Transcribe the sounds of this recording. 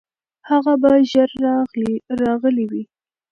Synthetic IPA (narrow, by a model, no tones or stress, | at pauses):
haɣabaʒaɾːɑɣliɾɑɣəliwi